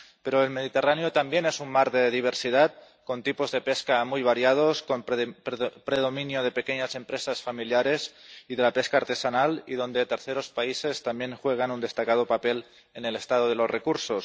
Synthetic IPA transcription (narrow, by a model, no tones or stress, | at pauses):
pe̞ɾoelme̞ðit̪eranjot̪ambje̞ne̞sunmaɾðe̞ðiβ̞e̞ɾsið̞at̪̚ | ko̞nt̪ipo̞zðe̞pe̞skamujβ̞aɾjað̞o̞skom | pɾe̞ðo̞mĩnjoð̞e̞pe̞ke̞ɲase̞mpɾe̞sasfamiljaɾe̞siðe̞lape̞skaːɾt̪e̞sanaliðo̞nd̪e̞t̪e̞ɾθe̞ɾo̞spaise̞st̪ambje̞ŋxwe̞ɣ̞anund̪e̞st̪akað̞o̞pape̞l | e̞ne̞le̞st̪að̞oð̞elo̞sre̞kuɾso̞s